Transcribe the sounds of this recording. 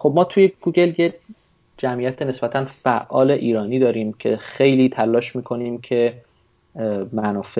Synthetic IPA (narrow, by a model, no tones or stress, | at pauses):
xob̚mɒːt̪ʰujeɡ̥uɟe̞lje | d͡ʒæmʔijæt̪ʰene̞sb̥æt̪ʰænfæʔːɒːle̞ʔiːɾɒːniːd̪ɒːɾiːmcʰe̞̰xejliːt̪ʰælːɒːʃmiːkʰo̞niːmcʰe̞ | mænɒːfe